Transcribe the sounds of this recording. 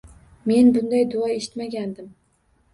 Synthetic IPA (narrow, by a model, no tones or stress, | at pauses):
me̞nbʊnd̪ajd̪ʊɑeʃɪ̥t̪maɡʲand̪ɪm